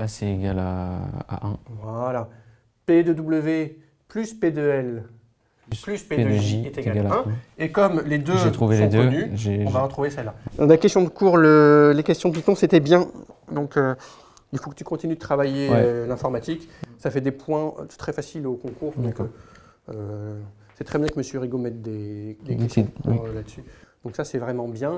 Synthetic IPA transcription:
basɛeɡʲala̰a̰ʔɛ̃vwala | ped̪ød̪ubləve | plysped̪øɛl | plysped̪ʒieeaɡalɛ̃ekɔmled̪øʒet̪χuveled̪ønyʒeɔ̃vaʁət̪χuvesɛlãakʲɛst̪jɔ̃d̪əkuʁləlekʲɛst̪jɔ̃it̪ɔ̃set̪ɛbjɛ̃d̪ɔ̃kø | ilfokə̥t̪y̥kɔ̃t̪inyd̪ət̪χavajeɛlɛ̃fɔʁmat̪iksafɛd̪epwɛ̰̃t̪χɛfasilokɔ̃kuʁd̪ɔ̃k | ø | sɛt̪χɛbjɛ̃kəməsjəʁiɡomɛt̪̚d̪ed̪eɛɛlad̪əsyd̪̥ɔ̃ksasɛvʁɛmɑ̃bjɛ̃

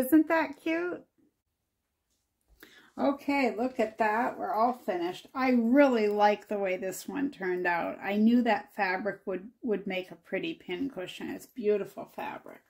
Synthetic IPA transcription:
ɪzɨ̃nðɨt̚kʰj̥ʉt̚ | ʔoʊkʰeɪlʊkɨt̪̚ðæʔwə̰˞ɔlˠfɪ̃nɪʃtaɪɹɪlˠilaɪk̚ðəweɪðɪswʌ̰̃ntʰɜ̃˞ndaʊta̰ɪnjʉðɨtfæbɹɨkwəd̚wəd̚meɪkəpʰɹ̥ɪɾipʰɪ̃nkʰʊʃɨ̃ŋɨ̰tsb̥jʉɾəfl̩ˠfæ̰b̥ɹɨ̰k

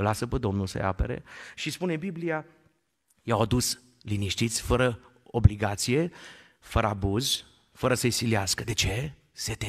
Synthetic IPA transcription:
lasəped̪o̞mnulsə̰ja̰pḛɾḛʃispune̞biblia | jawad̪us | liniʃt̪it̪sʲfəɾə | obliɡat̪sije̞ | fəɾəabuzʲ | fəɾəsəjsiliaskəd̪e̞t͡ʃe̞ | set̪e

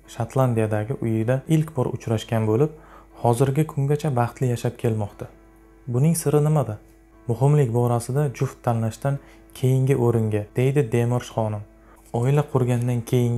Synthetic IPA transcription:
ʃat̪ʰlˠand̪ijad̪aɡʲɪʔʊjɪd̪aɪlkʲbɒɾʊ̰t͡ʃɾaʃkʲanbolɪp̚ | hɒzɪɾɡʲɪkʰʊŋɡʲat͡ʃʰabɑχt̪lɪjaʃapkʲʰe̞lmɒqt̪ʰa | bʊnɪŋsɪɾɪnɪmad̪ɪ | mʊhɪmlɪkʲbɒɾasɪd̪ad͡ʒʊft̪ʰːanlaʃt̪an | kʲʰe̞jɪŋɡʲɪʔoɾɪŋɡʲad̪̥e̞jd̪ɪd̪e̞mɒɾʃχɒnɪm | ɒɪlaqʰʊɾɡʲand̪ankʲʰe̞jɪŋ

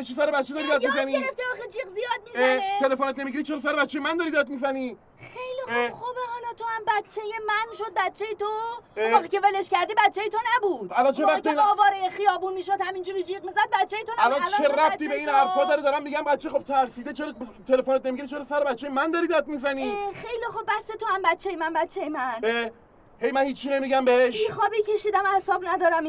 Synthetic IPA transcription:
t͡ʃʰisæɾebæt̪t͡ʃed̪ɒːɾid̪ɒːd̪miizæniɾeft̪iɒxed͡ʒiɡzijɒːd̪̚mieet̪ʰe̞lefonet̪̚nemiɟiɾit͡ʃʰeɾɒːs̬æɾebæt̪t͡ʃːejemænd̪ɒːɾid̪ɒd̪̚mizæniː | χejlieχubeɒːnɒt̪ʰohæmbæt̪̚t͡ʃʰːejemænʃod̪̚bæt̪t͡ʃʰejet̪oeɒːʁiːce̞veleʃkʲcæɾd̪iːbæt̪t͡ʃʰːejet̪ʰonæbuːd̪̥ælɒnt͡ʃʰeenɒːvɒːɾejexijɒːbuːnmiːʃod̪hæmind͡ʒuɾid͡ʒiːʁmizæd̪̚bæt̪̚t͡ʃʰːejet̪ʰonæælɒnlt͡ʃleɾæt̪iːbeiːnæɾfɒːd̪ɒɾed̪ɒɾæmːiɟæmbæt̪t͡ʃʰːeχob̚t̪ʰæɾsiːd̪et͡ʃʰeɾt̪ʰe̞lefonet̪̚nemiɡeɾit͡ʃʰeɾɒsæɾebæt̪̚t͡ʃʰːejemænd̪ɒɾid̪æd̪̚mizæniːxejlixobːæst̪et̪ohæmbæt̪t͡ʃʰːe̞jemænbæt̪t͡ʃʰːejemæne | he̞jmænhiːt͡ʃʰːine̞miɟæmbeheʃixɒːbicʲʰe̞ʃiːd̪æmæhsɒːbnæd̪ɒːɾæm

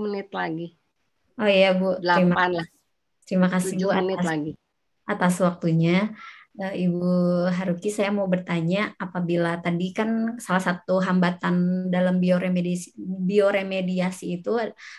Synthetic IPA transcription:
mənɪt̪̚laɡi | ojabudlaimaanla | t̪əɾimakasiuanlaɡi | ʔat̪aswak̚t̪uɲa | əibuɦaɾukisajamaubərt̪aɲaapabilat̪adikansalasat̪uɦambat̪andalambioɾemedbioɾemediasiːt̪u

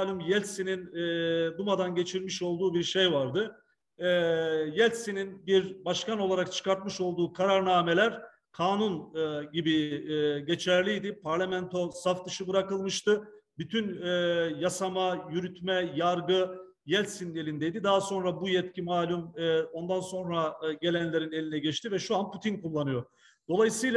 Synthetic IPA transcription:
lʲymjɛlʲsinind̪umad̪anɟe̞t͡ʃʰiɾʲmiʃo̞lˠd̪uːbiɾʃe̞jvaɾd̪ɯ | jɛlʲsininbiɾbaʃkano̞lˠaɾakt͡ʃʰɯ̥kaɾt̪mɯʃo̞lˠd̪uːkʰaɾaɾnaːme̞lʲæɾ̥ | kʰaːnunɟibiɟe̞t͡ʃʰæɾlʲijd̪ipʰaɾlʲamɛnt̪ʰo̞safd̪ɯʃɯbɯɾakɯlˠmɯʃt̪ɯbyt̪ʰynjasamajyɾyt̪mɛjaɾɡɯ | jɛlʲsinelʲind̪ejd̪id̪aɦaso̞nɾabujɛt̪cʰimaːlʲumo̞nd̪anso̞nɾaɟe̞lʲænlʲe̞ɾine̞lʲinɛɟɛt͡ʃt̪ivɛʃuanpʰut̪ʰinkulˠːanɯjo̞ | d̪̥o̞lˠajɯsɯjlˠ

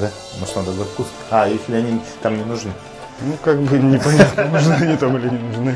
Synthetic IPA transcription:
d̪a | moʂnad̪ɐbɐt̪kus | ajesʲlʲɪɐnʲit̪amnʲɪnʊʐnɨ | nukaɡ̚bɨnʲɪpɐnʲat̪nənoʐnɨɐnʲit̪amɨlʲɪnʲɪnʊʐnɨ

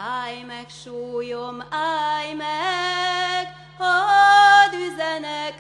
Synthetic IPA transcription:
ajmɛkʃoːjomajmɛ | ɡ | ho | d̪yzɛnɛk

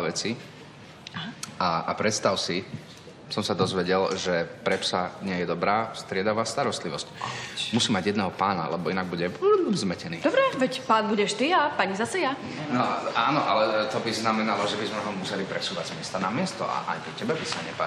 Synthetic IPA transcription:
ʋɛt͡si | aapɾɛt̪st̪aʊsi | sɔmsad̪ɔzʋɛɟɛlʒɛpɾɛpsaɲɪɛjɛd̪ɔbɾaːst̪ɾɪɛd̪aʋaːst̪aɾɔst̪liʋɔscmusiːmaɟjɛd̪nɛɦɔpaːna̰lɛbɔinaɡ̚buɟɛzmɛcɛniːd̪ɔbɾɛʋɛcpaːnbuɟɛʃt̪iapaɲizasɛja | nɔaːnɔʔalɛt̪ɔbiznamɛnalɔʒɛbizmɛɦɔmusɛlipɾɛsuːʋaɟzmɪɛst̪anamɪɛst̪ɔ̰ʔa̰ʔa̰jkɛcɛbɛbisaɲɛpa

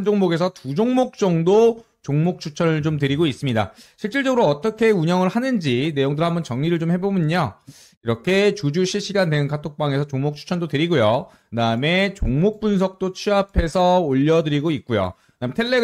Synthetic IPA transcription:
nd͡ʑoŋmoɡe̞s̬ʰʌtud͡ʑoŋmok̚t͡ɕ͈ʌŋdo | t͡ɕoŋmok̚t͡ɕʰut͡ɕʰʌnɯɭt͡ɕomtɯɾiɡois͈ɯmɲida̰ɕʰiɭt͡ɕ͈iɭt͡ɕ͈ʌɡɯɾoʌt͈ʌkʰe̞uɲʌŋɯɭhanɯnd͡ʑine̞joŋdɯɾɦambʌnt͡ɕʌŋɲiɾɯɭt͡ɕomhe̞bomɯɲo | iɾʌkʰe̞t͡ɕud͡ʑuɕʰiɭɕ͈iɡandtenɯnkatʰok̚p͈aŋe̞sʰʌt͡ɕoŋmok̚t͡ɕʰu̥t͡ɕʰʌndotɯɾiɡojo | ɯdaɯme̞t͡ɕoŋmok̚p͈uns̬ʰʌk̚t͈ot͡ɕʰiapʰe̞sʰʌoʎːʌdɯɾiɡoit̚k͈ujo̰ | nametʰeɭːe

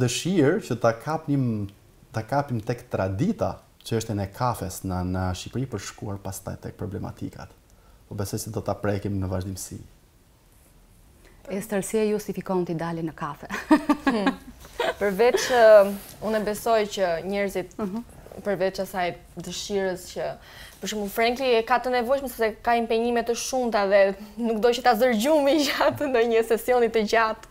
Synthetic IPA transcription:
d̪əʃiɾt͡ʃət̪akʰapim | t̪akapimt̪ɛkt̪ɾad̪it̪a̰ | t͡ʃəəʃt̪ɛnɛkʰafɛsnənəʃipɾipəɾʃkuaɾpast̪a̰jt̪ɛk̚pɾɔblɛma̰t̪ḭka̰t̪pɔbɛsɔjsɛd̪ɔt̪apɾɛkimnəvaʒd̪imsḭ | ɛst̪əɾsiɛjust̪ifikɔnt̪id̪alinəkafɛ | pəɾvɛt̪t͡ʃəunɛbɛsɔjcəɲɛɾzit̪pəɾvɛt̪t͡ʃasaj | d̪əʃiɾəscə | pəʃ̬umufɾɛŋkiɛkat̪ənɛvɔjʃməsɛpsɛkaimpɛɲimɛt̪əʃumt̪aðɛnukd̪ɔt͡ʃət̪azəɾɟumid͡ʑat̪nəɲəsɛsiɔnit̪əd͡ʑat̪

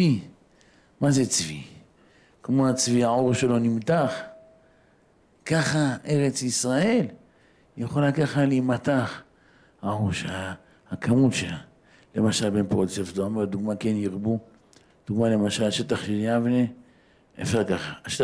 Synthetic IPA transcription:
i | mazet͡svḭ | kmo̞at͡sviaoʁʃe̞lo̞nimt̪aχ | kaχaʔe̞ʁet͡sisʁae̞l | jeχolakaχalimat̪aχ | haoʁʃea | akʰamutʃela | le̞maʃalbenpʁodt͡sefd̪oamad̪uɡmakenjiʁbu | d̪̥uɡmale̞maʃalaʃet̪aχʃeljavne | ḛfʃaʁkaχaʃe

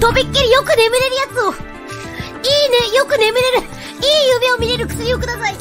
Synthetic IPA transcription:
d̪̥o̞bʲikːeɾʲijo̞kɯ̟ne̞mɯ̟ɾe̞ɾɯ̟jat͡sɨo̞ | iːnejokɯ̟ne̞mɯ̟ɾe̞ɾɯ̟ | iːjɯ̟me̞o̞mʲiɾe̞ɾɯ̟kɯ̥sɨɾʲio̞kɯd̪asai

